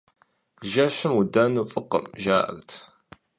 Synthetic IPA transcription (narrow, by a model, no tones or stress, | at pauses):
ʒæʃəmwəd̪ːænufəqːə̰mʒa̰ʕə̰ɾt̪